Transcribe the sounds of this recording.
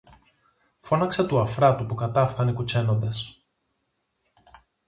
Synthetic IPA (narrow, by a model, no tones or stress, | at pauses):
fo̞nɐkset̪uɐfɾɐt̪upukɐt̪ɐfθɐnikut͡se̞no̞nd̪ɐs